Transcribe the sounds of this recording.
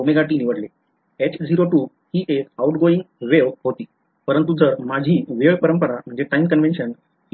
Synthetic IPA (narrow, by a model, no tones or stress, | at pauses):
meɡaʈiːniʋəɽle | et͡ɕd͡ʑiɾoʈuː | hiːʔekawʈɡoĩŋɡʋeʋɦot̪iː | pəɾənt̪ud͡zəɾmad͡ʑʱiːʋeʋpəɾəmpəɾam̤əd͡ʑeʈaimkənʋenɕən